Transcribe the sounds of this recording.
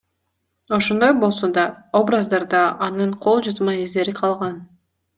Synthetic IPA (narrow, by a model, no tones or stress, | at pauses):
o̞ʃond̪ojbo̞lˠsod̪ɑobrazd̪ɑɾd̪ɑʔːnɯɴqʰo̞lˠd͡ʒuzmɑizd̪e̞ɾiqʰɑlˠʁɑn